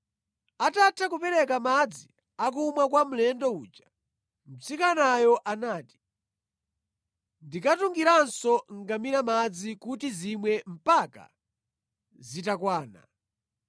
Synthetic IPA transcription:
atatʰakupɛɾɛkamad͡zi | ak̬umwakwamulɛndɔuːt͡ʃa | m̩t͡sikanajɔʔanaːti̥ | ndikatuŋɡiɾansɔŋɡamiɾamad͡zikutizimwɛm̩paka̰ | zitakwaːna̰

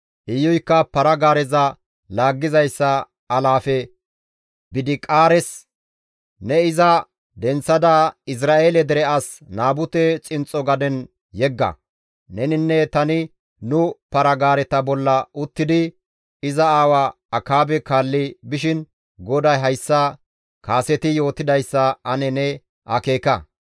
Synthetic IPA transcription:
ʔɪjːɔjkːɐpɐɾɐɡaːɾɛzɐ | laːɡːɪzɐjsːɐː | laːfɛ | bɪd̪ɪkʼaːɾɛs | nɛɪzɐ | d̪ɛnt͡sːɐd̪ɐɪs̬ɾaːʔeːlɛd̪ɛɾɛɐs | naːbʊt̪ɛt͡sʼɪnt͡sʼɔɡɐd̪ɛn | jɛɡːɐ̰ | nɛnɪnːɛt̪ɐnɪ | nʊpɐɾɐɡaːɾɛt̪ɐbɔlːɐʊt̪ːɪd̪ɪ | ɪzɐaːwa | ɐkːaːbɛkaːlːɪbɪʃ̬ɪn | ɡɔd̪ɐjɦɐjsːɐ | kaːsɛt̪ɪjo̞ːt̪ːɪd̪ɐjsːɐɐnɛnɛ | ʔɐke̞ːkɐ

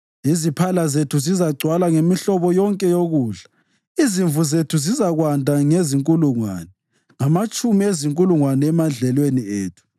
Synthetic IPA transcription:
izipʰalazetʰuzizaɡ͡ǀʱwalaŋemiɬɔβɔjɔŋkʼɛjoɣuːɮḁ | iziɱvuzetʰuzizaɣwandʱaŋeziŋkʼuluŋwa̰nɛ | ŋamat͡ʃʼumieziŋkʼuluŋwanɛːmand͡ɮʱɛlwenieːtʰu̥

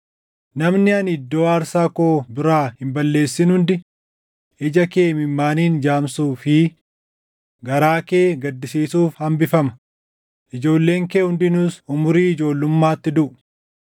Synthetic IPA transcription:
nɐmnɪɐnɪd̪ːoːaːɾsaːkoːbɪɾaːhɪmbɐlːe̞ːsːɪnhʊnd̪ɪ | ɪd͡ʒɐke̞ːmɪmːaːniːnd͡ʒaːmsuːfi | ɡɐɾaːke̞ːɡɐd̪ːɪsiːsuːfhɐmbɪfɐmɐ̥ | ʔɪd͡ʒo̞ːlːe̞ːŋkeːhʊnd̪ɪnʊsʊmʊɾiːɪd͡ʒo̞ːlːʊmːaːt̪ːɪd̪ʊʔʊ̥

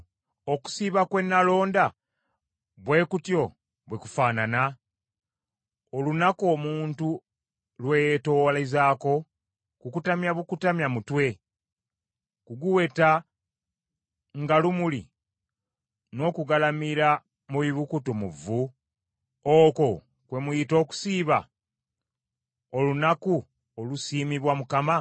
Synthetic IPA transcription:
o̞ku̥siβakwe̞nːalo̞ːnda | βwe̞ːkutjo̞ | βwekufaːnana | olunako̞ːmuːntu | lwe̞jeto̞lezaːko̞ | kukutamjaβukutamjamutwe̞ | kuɡuwe̞ta | ŋɡalumulḭ | no̞ːkuɡalamiɾa | muβiβukutomuvu | oːko̞ | kwe̞mujito̞ːku̥siːβa̰ | o̞lunaku | olusiːmiβwamukama

